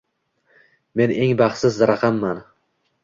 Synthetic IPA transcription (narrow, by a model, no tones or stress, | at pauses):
me̞neŋbaχsɪzɾaqʰɑmːan